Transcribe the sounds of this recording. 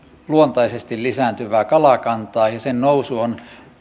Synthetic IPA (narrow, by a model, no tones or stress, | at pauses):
luont̪ɑisest̪illisæːnt̪yʋæːkɑlɑkɑnt̪ɑːjɑsennousuon